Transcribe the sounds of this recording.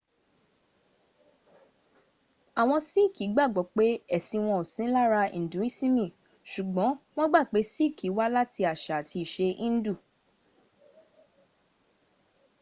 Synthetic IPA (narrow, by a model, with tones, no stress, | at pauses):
a˨w̃ɔ̃˧si˦˨ki˨˦ɡ͡ba˦˨ɡ͡bɔ˨˦k͡pe˦ɛ˦˨sĩ˧w̃ɔ̃˧o˨sĩ˨˦la˦ɾa˧ḭ̃˨dũ˨˦i˦˨sĩ˦mĩ˦˨ | ʃu˨ɡ͡bɔ̃˨˦w̃ɔ̃˦ɡ͡ba˦˨k͡pe˨˦si˦˨ki˨˦wa˦la˦ti˧a˨ʃa˨tʰi˧i˨ʃe˧ĩ˦n̩˦du˦˨